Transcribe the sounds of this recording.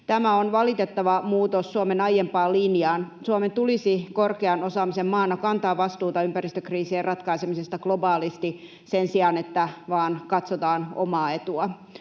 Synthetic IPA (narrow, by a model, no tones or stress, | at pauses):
t̪æmæonʋɑlit̪et̪ːɑʋɑmuːt̪osːuomenɑjempɑːliːniɑːnsuɑment̪ulisikorkeɑnosɑːmisemmɑːnːɑkɑnt̪ɑːʋɑst̪uːt̪ɑympærist̪økriːsieːrɑt̪kɑisemisest̪ɑɡ̥lobɑːlist̪i | sensiɑnet̪ːæʋɑːnkɑt̪sot̪ɑːno̰mɑːe̞t̪uɑ